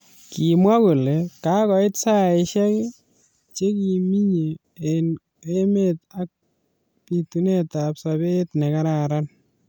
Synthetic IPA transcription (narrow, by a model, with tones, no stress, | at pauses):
ki˨mwa˦ko˨le˨ka˦kɔ˨ɪ˦tsa˦e˨ʃɛ˦kɪ˦ | t͡ʃe˦ki˨mi˦ɲi˨ | e˨n | e˦meta˦k̚ | pi˨tu˦ne˦ta˨psa˨be˦tnɛ˨ka˦ɾa˨ɾa˦n